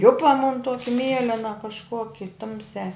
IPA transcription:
ˈjʊpɐ mʊn ˈtuɔkʲɪ ˈmʲiɛlʲɛnɐ kɐʃˈkoːkʲɪ ˈtʊmʲsʲæː

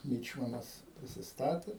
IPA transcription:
ˈmʲiːt͡ʃmɐnɐs pʲrʲɪsʲɪsˈtɑːtʲeː

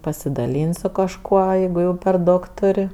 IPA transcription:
pɐsʲɪdɐˈlʲiːnʲtʲ sʊ kɐʃˈkuɔ ˈjɛɪɡʊ jɛʊ pʲɛr ˈdɐʊk ˈtʊrʲ

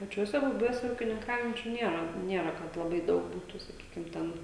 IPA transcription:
pɐˈt͡ʃʲuɔsʲɛ bʊˈbʲuɔsʲɛ uːkʲɪnʲɪŋˈkɐʊjɛnʲt͡ʃʲʊ ˈnʲiɛrɐ ˈnʲiɛrɐ kɐt lˠɐˈbɐɪ ˈdɐʊk ˈbuːtʊ sɐˈkʲiːkʲɪm ˈtʲɛn

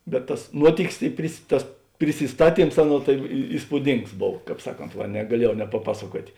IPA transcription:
bʲɛt tɐs ˈnuɔtʲɪkʲɪs ɪ pʲrʲɪs ˈtɐs pʲrʲɪsʲɪsˈtɑːˌtʲiːms ˈɑːˌnuɔ tɐɪ iː iːspuːˈdʲɪŋks ˈboːw ˈkɑːp ˈsɑːˌkoːnt ˈʋɐ nʲɛɡɐˈlʲiɛjɛʊ nʲɛpɐˈpɑːsɐˌkuɔtʲeː

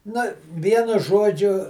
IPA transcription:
nɐ ˈʋʲiɛnʊ ˈʒuɔd͡ʒʲʊ

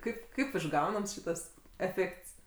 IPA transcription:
ˈkɐɪp kɐɪp ɪʒˈɡɐʊnɐms ˈʃʲiːtɐs ɛˈfʲeːkts

